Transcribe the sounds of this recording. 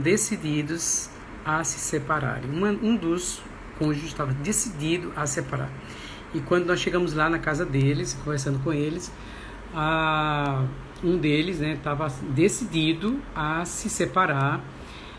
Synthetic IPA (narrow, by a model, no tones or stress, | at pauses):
d̪esid̪id̪ʊz | ɐsɪ̥sepaɾa̰ɾ̰̃ũmɐ̃ũd̪ʊs | kõʒũɪʃt̪avɐd̪esid̪id̪ʊʔɐsepaɾa̰ɾ | ɪkwɐ̃d̪ʊnɔsʃeɡɐ̃mʊzlanɐkazɐd̪elɪskõveɾs̬ɐ̃nd̪ʊkõelɪs | a | ũd̪elɪsnɛt̪avɐd̪esid̪id̪ʊɐsɪsepaɾaɾ